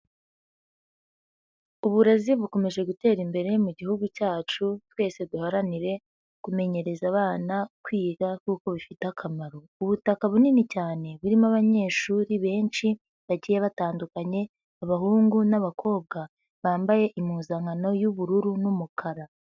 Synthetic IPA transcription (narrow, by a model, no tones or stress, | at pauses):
uβuɾaziβuko̞me̞ʒe̞ɡute̞ːɾimbe̞ɾe̞muɟihuɡucaːt͡ʃutwe̞ːse̞duhaɾaniɾe̞ | kume̞ɲe̞ɾe̞zaβaːnakwiːɡakuːko̞βifitakʰamaɾo̞ | uβutakaβuninicaːne̞βuɾimaβaɲe̞ːʃuːɾiβe̞ːnt͡ʃi | βaɟijeβataːndukaɲe̞ | aβahuːŋɡunaβakʰo̞ːβ̚ɡa | βaːmbaje̞ʔimuːzaŋano̞juβuɾuɾunumukʰaɾa